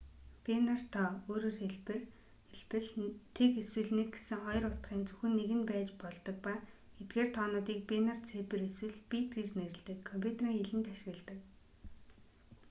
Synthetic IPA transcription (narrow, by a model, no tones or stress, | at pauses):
penar̥t̪ʰɔoːɾoːrxeɮpɘr | eɮpɘ̆ɮt̪ʰekeswɘ̆ɮneɡ̚ɡesɘ̆ŋχɔjɞ̆rʊt̪ɢiːnt͡su̥xɘ̆nːeɣɘ̆npæːt͡ɕpɔɮt̪ɞ̆k̚pa | et̪̚ɡeːrt̪ʰɔːnʊːt̪iːk̚pinart͡sʰepɘ̆ɾeswɘ̆ɮpit̪ɡet͡ɕneɾɘ̆ɮt̪ɘ̆kʰːɔmpʲʰut̪ʰeriːŋeɮɘ̆nt̪aʃɪ̆ɣə̆ɮt̪ə̆k